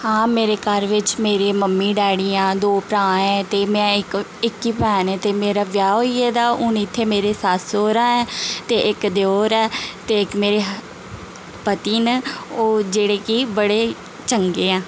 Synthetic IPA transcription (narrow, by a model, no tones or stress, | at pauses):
hãːmeːɾeːkəɾʋɪt͡ʃmeːɾeːməmːĩːɖɛːɽiːãːd̪oːpɾãːɛ̃ːt̪eːmɛ̃ːɪkɪkːiːpɛːnɛ̃ːt̪eːmeːɾaːʋjaːɦoːiːeːd̪aːʊnɪt̪ʰːeːmeːɾeːsaːsoːɾãːɛːt̪eːʔɪkd̪eoːɾɛːt̪eːɪkmeːɾeːɦ | pət̪iːnəoːd͡ʒeːɽeːkibəɽeː | t͡ʃəŋɡeːãː